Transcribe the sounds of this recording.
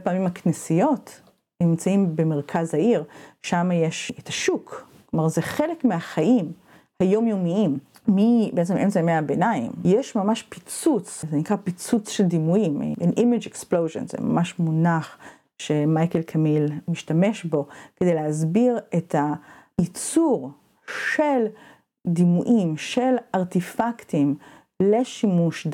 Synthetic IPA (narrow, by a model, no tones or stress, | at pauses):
bepaːmimaknesijo̞t | nimt͡saimbemeʁkʰazhaiʁʃamajeʃetʰaʃukklomaʁzeχe̞lekmeaχaʔim | hajo̞mjomiim | mibeet͡semʔemt͡sajmeabenaḭmjeʃmamaʃpit͡sut͡szenikʁapit͡sut͡sʃeld̪imuim̰ḭnʔimid͡ʒeksplowʒḛnzḛma̰maʃmunaχ | ʃemajkelkʰamilmiʃtame̞ʃbo̞ked̪ejleɦazbiʁe̞tʰait͡suʁ | ʃel | d̪imuʔimʃe̞laʁtifaktim | le̞ʃimuʃd